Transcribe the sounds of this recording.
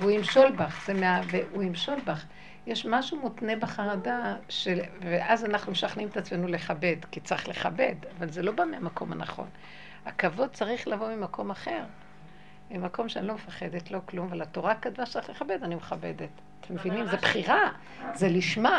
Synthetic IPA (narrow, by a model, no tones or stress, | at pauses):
veuimʃo̞lbaχz̥emeaveʔuimʃo̞lbaχ | jeʃmaʃumotne̞beχaʁadaʃeveʔazanaχnumeʃaχnimet̪at͡smenule̞χabe̞dkit͡saiχle̞χabe̞davalzelo̞bameamako̞mha̰na̰χo̞̰n | akavo̞d̪̚t͡saʁiχlavo̞mimako̞maχe̞ʁ | mimako̞mʃeanilo̞mefaχe̞d̪etlo̞klumavalato̞ʁakadvatt͡siχle̞χabe̞danimeχabe̞det̪ | t̪ʰemevinimzebχiʁa | zeliʃma